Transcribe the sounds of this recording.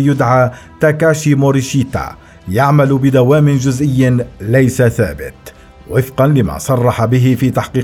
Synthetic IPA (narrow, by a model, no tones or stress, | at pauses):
jʊd̪ʕaːt̪akaːʃimoɾiʃiːt̪a̰ | jaʕmalbɪd̪awaːmɪnd͡ʒʊzʔɪjːlajsaθa̰ːbɪ̰t̪ | wɪfqɑnlɪma̰ːsˤɑrˤːɑħabɪɦɪfiːt̪aħqiː